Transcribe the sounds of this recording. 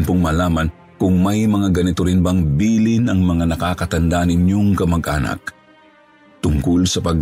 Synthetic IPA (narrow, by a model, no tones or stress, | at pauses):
npoŋmalaːmɐn | kʊŋmɐjmɐŋaɡɐnɪt̪oɾɪnbaŋbiːlɪnɐŋmɐŋanɐkaːkɐt̪ɐnd̪anɪɲjoŋkɐmɐɡʔaːnɐ̰k̚ | t̪ʊŋkolsɐpɐɡ